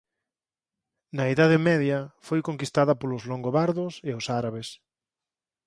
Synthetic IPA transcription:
nɐeðaðɪmɛðjɐfojkoŋkist̪aðɐpolʊzloŋɡoβaɾðʊsɪasaɾaβes

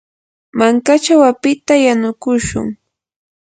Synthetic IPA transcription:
maŋkat͡ʃawapɪt̪ajanʊkʊʃʊ̰ŋ

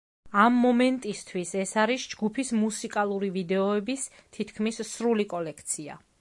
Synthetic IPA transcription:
amːɔmɛnt̪ʼist̪ʰwisɛsaɾisd͡ʒɡupʰismusikʼalˠuɾivid̪ɛɔɛbist̪ʰit̪ʰkʰmisːɾulikʼɔlɛkʰt̪sʰia̰

